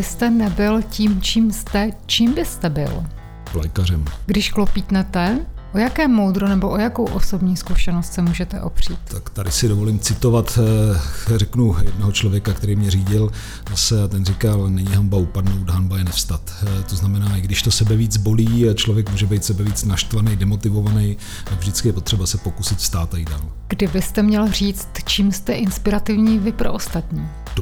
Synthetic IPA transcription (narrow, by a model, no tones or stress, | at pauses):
bɪst̪ɛnɛbɪlciːmt͡ʃiːmst̪ɛt͡ʃiːmbɪst̪ɛbɪ̰l | lɛ̰jkar̝ɛmɡdɪʃklopiːt̪nɛt̪ɛʔojakɛːmowd̪ɾonɛboʔojakowʔoso̞bɲiːskuʃɛnost̪sɛmuːʒɛt̪ɛ̰ʔo̰pr̝̥iːt̪t̪akt̪adɪsɪdovo̞liːmt͡sɪt̪o̞vat̪ | rɛknujɛdnoɦot͡ʃlovjɛkakt̪ɛɾiːmɲɛriːɟɪl | zasɛat̪ɛnrikalnɛɲiɦambaupadnowt̪ɦanbaɛnɛfst̪at̪t̪oznamɛnaːɪɡdɪʃt̪o̞sɛbɛviːd͡zbo̞liːt͡ʃlovjɛkmuːʒɛbɛjt̪sɛbɛviːt͡snaʃt̪vanejdɛmo̞t̪ɪvo̞vanɛj | t̪aɡvʒdɪt͡skɪjɛpo̞t̪r̝̥ɛbasɛpo̞kusɪt̪fst̪aːt̪ajiddaːlɡ̥dɪbɪst̪ɛmɲɛlr̝iːt͡st̪t͡ʃiːmst̪ɛʔɪnspɪɾat̪ɪvɲiːvɪpɾo̰ʔost̪at̪ɲiː